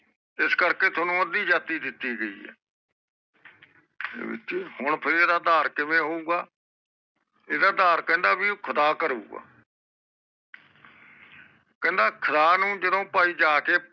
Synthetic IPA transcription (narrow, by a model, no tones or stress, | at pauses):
ɪskəɾkeːt̪ʰoːnũːəd̪iːd͡ʒaːt̪iːd̪ɪt̪ːiːɡəḭːɦɛ̰ː | ɪ̰hʊɳpʰɪɾeːd̪aːd̪aːɾkɪmẽːɦoːuːɡaː | eːd̪aːd̪aːɾkɛ̃ːnd̪aːbiːkʰəd̪aːkəɾṵːɡa̰ː | kɛ̃ːnd̪aːkʰəd̪aːnũːd͡ʒəd̪õːpaːiːd͡ʒaːkeː